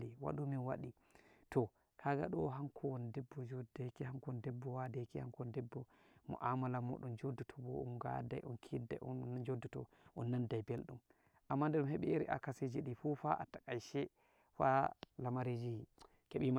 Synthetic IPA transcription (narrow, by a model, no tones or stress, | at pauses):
liwa̰ɗuminwa̰ɗi | tɔ | kʰaɡa̰ɗɔɦaŋkʰɔwɔndɛbːɔd͡ʒodajkihaŋkndɛbːɔwadajkiha̰ŋkɔndɛbːɔmɔ̰ʔamalamo̰ɗumd͡ʒodːutʰɔbɔṵmɡa̰da̰jʔɔnkʰida̰ʔd͡ʒodːutɔ | ʔɔnːandajbelɗum | ʔamːandɛɗumhɛɓɛeɾḭʔa̰kased͡ʒiɗifufaʔatakajʃɛ | fa̰lamaɾed͡ʒihi | keɓima